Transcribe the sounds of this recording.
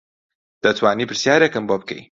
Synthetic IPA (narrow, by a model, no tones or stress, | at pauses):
d̪̥ət̪wɑːnipɪɾsjɑːɾekəmbop̚kḛj